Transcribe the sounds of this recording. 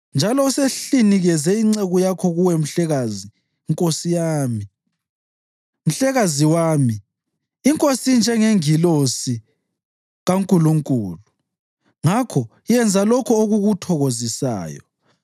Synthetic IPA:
nd͡ʒʱalɔuseɬiniɣɛzɛiŋ͡ǀeɣujakʰɔɣuwɛm̩ɬɛɣaziː | ŋkʼosijaːmi | m̩ɬɛɣaziwaːmiː | ŋkʼosind͡ʒʱɛŋeŋilosi | ɣaŋkʼuluŋkʼṵːlu | ŋakʰɔ | jɛnd͡zʱalɔkʰɔoɣuɣutʰɔɣozisa̰ːjɔ̰

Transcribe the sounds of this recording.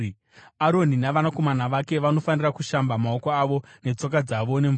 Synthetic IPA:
aɾo̞ninaʋanako̞manaʋake̞ʋano̞fanirakuʃambamao̞koaʋo̞ne̞t͡so̞k̬ad͡zaʋone̞ɱ

